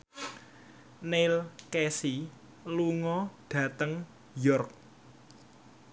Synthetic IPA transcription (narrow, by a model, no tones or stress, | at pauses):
nelkesi | luŋɔɖ̥ä̤t̪əŋ | jɔrk̚